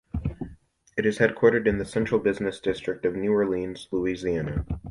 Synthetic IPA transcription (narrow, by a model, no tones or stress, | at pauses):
ɨɾɨz̥hɛd̚kʰw̥ɔɹɾɨɾɨ̃nðɨsɛ̃nt͡ʃɹ̥l̩ˠbɪznɨsd̥ɪstɹ̥ɨk̚tʌvnʉə˞lĩnz̥luiziænɨ